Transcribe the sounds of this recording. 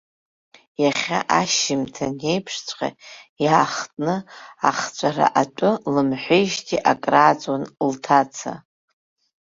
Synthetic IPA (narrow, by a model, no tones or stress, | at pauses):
jaχʲa̰ʔaʃɪmtʰane̞jpʰʂt͡sʷʰʼqʲʼa̰jaːχtʼnɨaχt͡ɕʷʼaɾa̰ʔatʷʼʊlɨmħʷejʒtʼiʔakʼraːt͡sʼwanltʰat͡sʰa̰